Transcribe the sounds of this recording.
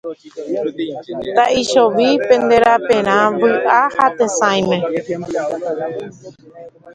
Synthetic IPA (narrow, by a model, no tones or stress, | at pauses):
t̪aʔiʃoʋipẽ̞nd̪eɾapẽɾ̃ãʋɨʔahat̪esãj̃mẽ